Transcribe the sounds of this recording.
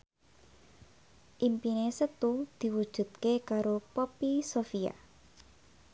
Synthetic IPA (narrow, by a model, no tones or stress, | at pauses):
ʔimpinesət̪ud̪̥i̤wud̥ʒ̥ṳt̪̚kekaɾopopisofia̰